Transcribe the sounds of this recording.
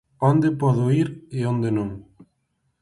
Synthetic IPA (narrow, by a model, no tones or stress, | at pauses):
ond̪epɔðʊiɾeond̪enõŋ